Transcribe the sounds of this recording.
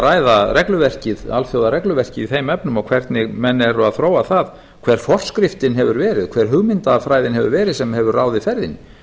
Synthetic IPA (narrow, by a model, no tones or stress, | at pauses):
ɾaːjðarɛklʏvɛr̥cɪða̰lfjowðaɾɛklʏvɛr̥cɪiθejmɛpnʏmawkʰv̥ɛrt̪nɪɣmɛnːɛɾʏaðθɾoːwaθað | kʰv̥ɛːɾ̥fɔr̥skɾɪft̪ɪnɦɛvʏɾvɛːɾɪðkʰvɛːɾ̥ɦʏɣmɪnt̪afɾaːjðɪnɦɛvʏɾvɛːɾɪðsɛmhɛvʏɾraːwðɪfɛɾðɪn